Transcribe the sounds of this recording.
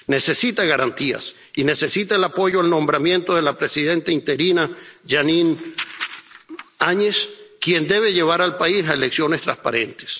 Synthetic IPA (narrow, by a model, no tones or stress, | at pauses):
ne̞se̞sit̪aɣaɾant̪ia̰s | ine̞se̞sit̪aelapo̞ʝoalnõ̞mbɾamje̞nt̪o̞ðe̞lapɾe̞siðe̞nt̪aint̪e̞ɾinaʝanin | aɲeskje̞nd̪e̞β̞e̞ʝe̞β̞aɾalpaisaeleksjo̞nest̪ɾaspaɾe̞nt̪e̥s